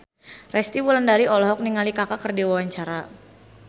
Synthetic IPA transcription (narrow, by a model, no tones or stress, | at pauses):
rɛst̪iwuləndaɾiʔɔlɔɦɔk̚niŋalikakakərdiwawaɲt͡ʃaɾa